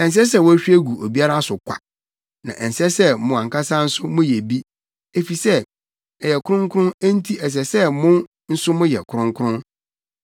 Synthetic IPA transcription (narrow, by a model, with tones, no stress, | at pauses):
ɛ̃˨n˨s̬ɛ˦s̬ɛ˦˨wɔ˦æ˦ɕᶣi˦æ˦ɡu˨o˨bi˦a˦ɾa˦sʊ˨kʰʷa̰˨ | nã̰˨ʔɛ˨n̩˨sɛ˦sɛ˦mʊ̃˨ã˨ŋka˦sa˦n̩˦sʊ˦mʊ̃˦jɛ˨bi˦ | e˨fi˨sɛ˦ | ɛ˨jɛ˨kʰʊ˦ɾʊ̃˦ŋ˦kʰʊ˦ʊ̃˦næ˦n̩˦tʰi˦ɛ˨s̬ɛ˨sɛ˦mʊ̃˦n | n̩˦sʊ˦mʊ̃˦jɛ̰˨kʰʊ˦ɾʊ̃˦ŋkʰɾʊ̃˦n